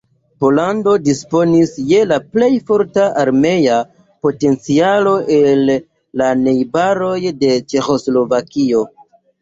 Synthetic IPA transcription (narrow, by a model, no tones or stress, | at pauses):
po̞lando̞dispo̞nisje̞laple̞jfo̞ɾtaʔaɾme̞ja | po̞te̞nt͡sialo̞ʔe̞lː | ane̞jbaɾo̞jde̞t͡ʃe̞xo̞slo̞vakio̞